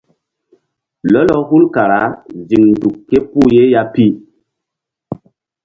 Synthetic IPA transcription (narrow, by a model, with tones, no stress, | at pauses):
lɔ˦lɔ˦hu˦lka˨ɾa˨˦zi˨ŋn˨du˨kːe˦pu˦˨je˦ja˦pi˦